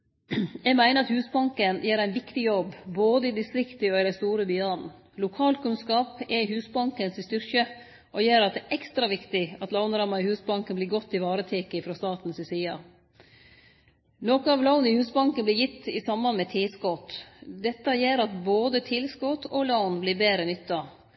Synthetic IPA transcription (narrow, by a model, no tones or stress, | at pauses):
jɛɡmæɪnəɾɑt̪hʉːsbɑŋkənjeːɾæɪnʋɪkt̪ɪjɔbboːd̪əɪd̪ɪst̪ɾɪkt̪ɪɔɪd̪ɛst̪uːɾəbyːɑn | lʊkʰɑːlkʉnskɑːpɛhʉːsbɑŋkənsɪst̪ʏɾkə | ʔɔjeːɾɑt̪̚d̪ɛʔɛkst̪ɾɑʋɪkt̪ɪɑt̪lɑʊnɾɑmɑɪhʉːsbɑŋkənbliːɾɡɔt̪ʰːɪʋɑːɾət̪ʰeːkəfɾoːst̪ɑːt̪n̩sɪsiːɑ̰ | noːkəɑʋlɑʊnɪhʉːsbɑŋkənblɪːjɪt̪ːɪsɑmbɑnmɛt̪ʰɪːskɔt̪d̪ɛt̪ːɑjeːɾɑt̪boːd̪ət̪ʰɪlskɔt̪ʰolɑʊnblɪːbeːɾənʏt̪ːɑ